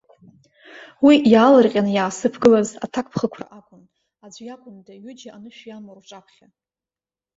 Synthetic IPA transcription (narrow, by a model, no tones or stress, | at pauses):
wijaːlarqʲʼanjaːsɨpʰɡɨlaza̰tʰakʷpʰχəkʷʰra̰ʔakʷʼʊn | ad͡ʒʷjakʷʼʊndaɥʏd͡ʒaanɨʃᶣjamarʈ͡ʂʼapʰχʲa